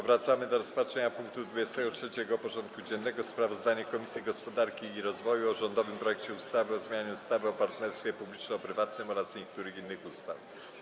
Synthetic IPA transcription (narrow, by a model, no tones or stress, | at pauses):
vɾat̪samɘd̪ɔɾɔspatʂɛɲapuŋk̚t̪ud̪vud͡ʑɛst̪ɛɡɔtʂɛt͡ɕɛɡɔpɔʐɔnt̪̚kud͡ʑɛnːɛɡɔspɾavɔzd̪aɲɛkɔmʲisʲjiɡɔspɔd̪aɾkʲiːɾɔzvɔjuɔʐɔnd̪ɔvɘmpɾɔjɛkt͡ɕɛust̪avɘɔzmʲjaɲuust̪avɘɔpaɾt̪nɛɾst̪fʲjɛpublʲit͡ʂnɛɔpɾɘvat̪nɘmɔɾasɲɛk̚t̪uɾɘxinːɘxust̪af